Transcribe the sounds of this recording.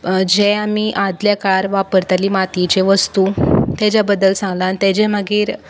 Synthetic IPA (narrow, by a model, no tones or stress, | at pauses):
d͡ʑeamiʔad̪ljakaɾʋapəɾt̪alimat̪it͡ɕeʋəst̪ut̪ad͡ʑabəd̪əlsãŋɡlaːnit̪ed͡ʑem̤əɡiːɾ